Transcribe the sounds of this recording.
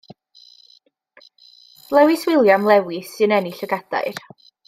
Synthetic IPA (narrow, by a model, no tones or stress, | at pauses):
lˠɛwɪswɪlˠjamlˠɛwɪsɨnɛniɬəɡad̥a̰ɨr